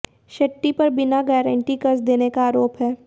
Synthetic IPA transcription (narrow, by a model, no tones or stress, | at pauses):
ʃɐʈːipɐɾbɪnaɡɛːɾə̃ɳʈikɐɾsd̪eːnekaaːɾoːpɦɛː